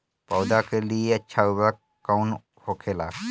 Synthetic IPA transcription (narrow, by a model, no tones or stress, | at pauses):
pɔːd̪akelieɐtːʃʰauba | kːaːn | hoːkʰelaːɡ